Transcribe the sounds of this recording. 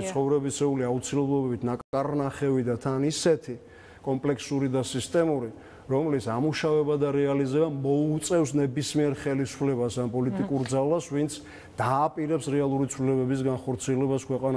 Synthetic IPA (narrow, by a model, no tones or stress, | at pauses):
sʰχɔvɾɛbisʰɛuliaut̪sʰilɛblˠɔbɛbit̪ʰnakʼkʼaɾnaχɛvid̪at̪ʰanisɛt̪ʰi | kʼɔmpʼlɛksuɾid̪asist̪ʼɛmuɾi | ɾɔmlisamuʃavɛbad̪aɾɛalizɛbamɔut̪sʼɛfsnɛbismiɛɾχɛlisu̥pʰlɛbasanpʼɔlit̪ʼikʼuɾd̪zalasvint̪sʰ | d̪̥aːpʼiɾɛpsɾɛalˠuɾit̪sʰvlilɛbɛbis̬ɡanχɔɾt̪sʰiɛlɛbaskʰwɛqʼana